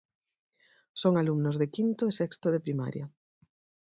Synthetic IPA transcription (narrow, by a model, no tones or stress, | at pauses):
soŋalumnʊzðekint̪oesɛkst̪oðepɾima̰ɾjɐ